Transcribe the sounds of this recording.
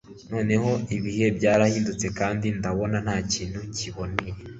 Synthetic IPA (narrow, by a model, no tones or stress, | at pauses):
no̞ːne̞ho̞iβihe̞bjaːɾahiːndut͡se̞kaːndindaβo̞nan̥haːciːn̥huciβo̞neje